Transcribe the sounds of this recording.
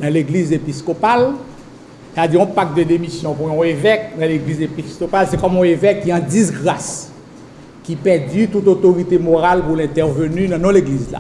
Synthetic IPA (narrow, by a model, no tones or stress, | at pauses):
d̪ãleɡlizepiskopal | sad͡ziɔ̃pak̚d̪əd̪emisjɔ̃puɔ̃evɛk̚d̪ãleɡlizepiskopalsɛkɔmɔ̃evɛkːiɑ̃dis̬ɡʁas | kipɛʁdyt̪ut̪ot̪oʁit̪emoʁalpulɛ̃t̪ɛʁvønynãnɔ̃leɡlizla̰